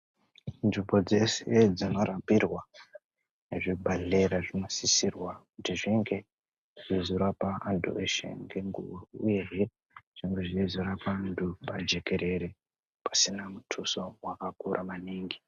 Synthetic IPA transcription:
nʐibod͡ze̞sed͡zino̞ɾambirwa | ne̞ʐibʱaɮe̞ɾaʐinosisirwakutiʐiŋɡe̞ | ʐ̥izoɾapaandʰṵeʃḛŋɡeŋɡṵṵjeɦe | ʐ̥iŋɡeʐizoɾapaːndupad͡ʒe̞ke̞ɾe̞ɾe | pḁsinamutʰuso̞wakakuɾʔamaniːŋɡi

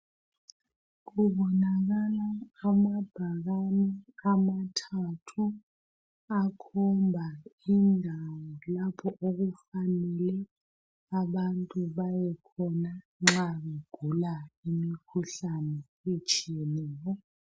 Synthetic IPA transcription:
k̬uɓɔnaɣ̬alaːmab̥ʱaɣ̬anɛamatʰatʰu | akʰɔmbʱainʱawɔlapʰɔʔoɣufanɛlɛ | aɓantʼuɓajɛkʰɔna | ŋ͡ǁaɓeɡ̥ʱulaimikʰuɬanɛ | et͡ʃʼijɛnɛːjɔ

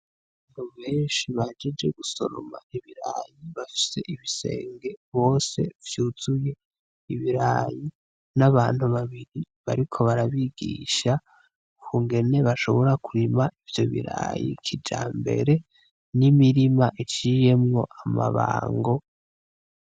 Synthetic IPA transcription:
aββaaːn̥huβe̞ːnʃiβad͡ʒed͡ʒe̞ɡuso̞ɾo̰ma̰iβiɾa̰jiβafi̥se̞̰ʔiβise̞̰ːŋɡe̞βo̞ːse̞̰vjuːzuje̞ | iβiɾaji | naβaːn̥huβaβiɾi | βa̰ɾikʰo̞βaɾaβiɡḭʃa | ukʰuŋɡe̞ne̞βaʃo̞βo̞ɾakuɾimaʔivjo̞̰βḭɾa̰jḭkʰid͡ʒaːmbe̞̰ɾe̞ | nimiɾimaʔit͡ʃije̞mŋo̞̰ʔama̰βa̰ːŋɡo̞

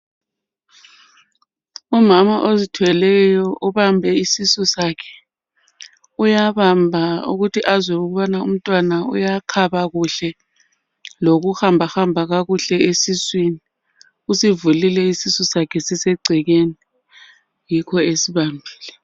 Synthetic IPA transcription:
umamaʔozitʰwɛlɛjɔʔuβambʱɛisisɔsakʰɛ̥ | ujaβambʱaṵɣutʰiʔazwɛuɣuβanaum̩tʼwanaṵjaǃʰaɓaɣuɬɛ | loɣ̬uxambʱaxambʱaɣaɣuɬɛesiswini | usivulilɛisisɔsakʰɛsisɛɡ͡ǀʱiɣeni | jikʰɔesiβambʱi̥ːlɛ

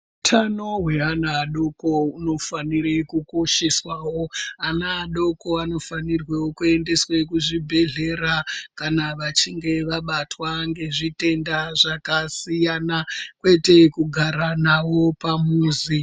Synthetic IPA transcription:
utʰano̞ɦwe̞ɦanaːɗo̞ko̞uno̞fanirekuko̞ʃe̞swawo̞anaːɗo̞ko̞ano̞fanirwewokue̞nde̞swe̞kuʐibʱe̞ɮe̞ɾakanaʋat͡ʃiŋɡe̞ʋaɓatwaŋɡe̞ʐite̞ndaʐakasijanakwe̞te̞kuɡʱaɾanawo̞pamuːzi

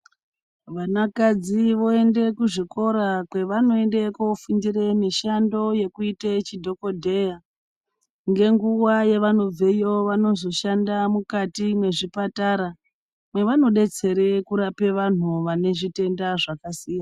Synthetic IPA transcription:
ʋanakad͡ziʋo̞e̞nde̞kuʐiko̞ɾakwe̞ʋano̞e̞nde̞kofundire̞miʃando̞je̞kuitet͡ʃidʱo̞ko̞dʱeja | ŋɡe̞ŋɡuwaje̞ʋano̞b͡vejo̞ʋano̞zo̞ʃandamukatimwe̞ʐipataɾa | mwe̞ʋano̞ɗe̞t͡se̞ɾe̞kuɾape̞ʋan̤uʋane̞ʐite̞ndaʐakasiːja

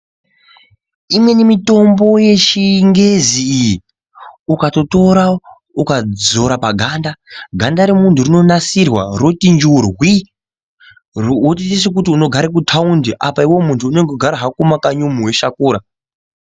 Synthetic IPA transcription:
imwe̞nemito̞mbo̞je̞t͡ʃiŋɡe̞ziːji | ukato̞to̞ɾa | ukad͡zo̞ɾapaɡʱandaɡʱandaɾemunturino̞nasirwa̰rotind͡ʒurwi | ot̬ites̬ek̬utiuno̞ɡʱaɾek̬utʰaundiʔapaiwo̞muntʰuːne̞ŋɡoɡʱaɾaɦakumakaɲumuwe̞ʃakuːɾa

